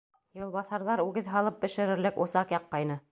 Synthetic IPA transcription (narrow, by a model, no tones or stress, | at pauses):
jɤ̆lˠβɑθɑɾðɑɾʉɡɘðɦɑlˠɤp̚bɘ̆ʃɘ̆ɾɘ̆ɾlɘkŏsɑqjɑqːɑjnɤ